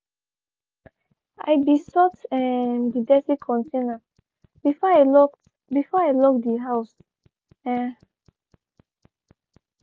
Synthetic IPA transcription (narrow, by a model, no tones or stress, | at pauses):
a̰jbisɔtɛ̃ndidɛsikʰɔ̃ntʰẽna | bifɔaɪlɔk | bifɔaɪlɔk̚diɦaʊs | ɛ̃